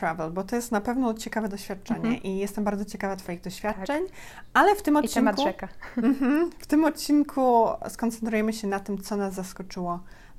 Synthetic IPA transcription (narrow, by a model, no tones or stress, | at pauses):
ɾavɛlbɔt̪ɔjɛst̪napɛvnɔt͡ɕɛkavɛd̪ɔɕfʲjat̪̚t͡ʂɛɲɛ̰ʔijɛst̪ɛmbaɾd̪zɔt͡ɕɛkavat̪fɔjiɣd̪ɔɕfʲjat̚ːt͡ʂɛɲ | alɛft̪ɘmɔtt͡ɕːɛmkuɛkam̩ɦm̩ft̪ɘmɔt̪̚t͡ɕinkʰuskɔnt̪sɛnt̪ɾujɛmɘɕɛnat̪ɘmt̪sɔnazːaskɔt͡ʂɘwɔ